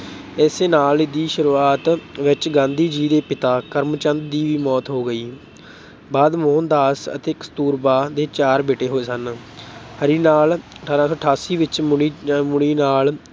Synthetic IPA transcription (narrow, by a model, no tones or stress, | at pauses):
ɛːseːnaːlɪd̪iːʃəɾuːaːt̪ʋɪt͡ʃɡãːnd̪iːd͡ʒiːd̪eːpɪt̪aːkəɾmt͡ʃənd̪ːiːʋiːmɔːt̪ɦoːɡəiː | baːd̪moːnd̪aːsə̰t̪eːkə̥st̪uːɾbaːd̪eːt͡ʃaːɾbeːʈeːɦoːeːsən | həɾiːnaːləʈʰaːɾãːsɔːəʈʰaːsiːʋɪt͡ʃimʊɽ̃iːnaːl